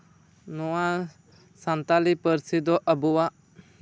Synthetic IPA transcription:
nua | sant̪alipəɾsid̪ɔʔəbuwa

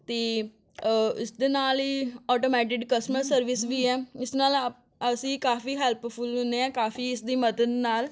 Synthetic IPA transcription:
t̪eː | ɪ̰sd̪eːnaːliːɔːʈoːmɛːʈ̬ɪkkəsməsːəɾʋɪsʋiːɛːɪsnaːl | əsĩːkaːfiːɦɛːlppʰʊlɦʊ̃nd̪eːɛãːkaːfiːɪsd̪iːməd̪əd̪naːl

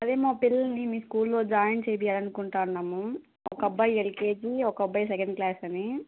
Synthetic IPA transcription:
ɐd̪eːmaːpilːɐnimiːskuːlːoːd͡ʒaːjɐnt͡ʃeːp̬ijaːlɐnukuɳʈaːunːaːmu | ɔkɐbːɐjelkeːd͡ʒiɔkɐɐbːɐjs̬ɛkɐɳɖklaːsɐni

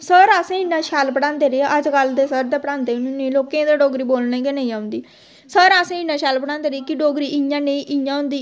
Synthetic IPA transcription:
səɾəsẽːɪnãːʃaːlpəɽãːnd̪eːɾeaʔəd͡ʒkəld̪eːsəɾd̪eːpəɽãːnd̪eːnũnẽːloːkẽːd̪aːɖoːɡɾiːboːlnẽːɡeneĩːãːʊ̃nd̪iː | səɾəsẽːɪnːaːʃaːlpəɽãːnd̪eːɾeekɪɖoːɡɾiːʔɪjãːnẽĩːʔɪjãːʊ̃nd̪iː

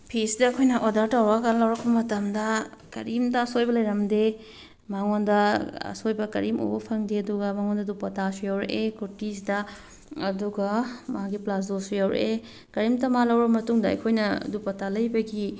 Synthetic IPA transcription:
pʰisidɐːkʰojnɐʔodɐɾtɐwɾakalɐwɾɐkʰːɐbɐmɐtɐmdɐkɐ̰ɾimdɐɐsojbɐlɐjɾɐmde | maŋondɐɐ̰sojbɐkɐ̰ɾimo̰bɐpʰɐŋdeɐduɡɐmaŋondɐdupɐtasujawɾɐʔekutis̬idɐ | ɐduɡɐmɐaɡiplas̬dosujawɾɐ̰ʔe | kɐɾimtɐmalɐwɾɐbɐmɐtuŋdɐɐ̰jkʰojnɐdupɐtalɐjbɐɡi

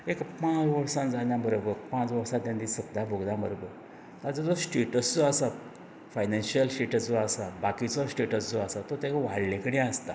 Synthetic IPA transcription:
ekpãt͡sʋəɽsãnd͡zaɲjãbəɾobəɾpãt͡sʋəɽsãt̪jãnd̪isəbd̪abʱoɡd̪ãbəɾobəɾ | t̪ad͡zad͡zɔsʈeʈəsd͡zoasa | fajnãnɕiəlsʈeʈəd͡zoasabakit͡sɔsʈeʈəsd͡zoasat̪ot̪jakʋaɽlẽkəɽĩəst̪a

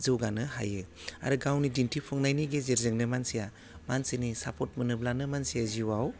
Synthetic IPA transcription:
zɯwɡanɯɦajɯa̰ɾɯɡawnidintʰipʰɔŋnajniɡezeɾzɯŋnɯmansija | mansenisapʰɔt̚mɯnɯblanɯmansijaziwaw

